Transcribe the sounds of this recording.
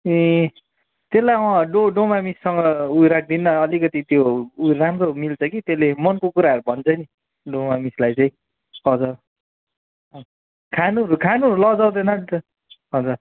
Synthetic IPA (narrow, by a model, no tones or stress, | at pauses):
ĩ | t̪elːajwãɖoɖomamisːʌŋɡʌujɾak̚ʰd̪inːʌːlikʌt̪it̪joujramromilt͡sʰʌkit̪elemʌnkokuɾaʌɾubʱʌnt͡sʰʌni | ɖomamislajt͡sʌĩ | ʌd͡zʌr | kʰanuʌɾukʰanuɦʌɾulʌd͡zaw̃d̪ʌnʌ | ɦʌd͡zʌr